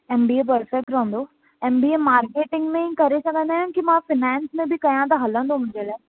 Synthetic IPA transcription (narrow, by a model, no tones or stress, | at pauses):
ɛmbiːep̬ɐɾfɛk̚ʈɾɔ̃ɦnd̪o | ɛmbiːemaːɾkeːʈɪ̃ŋɡmẽkɐɾesɐɡə̃nd̪aːjãkimãfɪnɛ̃ːnsmẽbʱikɐjãt̪̬aɦɐlə̃nd̪omʊ̃ɲd͡ʒeːlɛː